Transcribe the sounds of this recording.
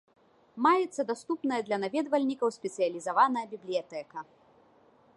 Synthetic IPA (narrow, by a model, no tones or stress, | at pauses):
majɛt̪sːɐd̪ast̪upnɐjɐd̪lʲɐnavʲɛd̪vɐlʲnʲikɐwsʲpʲɛt̪sɨjɐlʲizavanɐjɐbʲiblʲijat̪ɛkɐ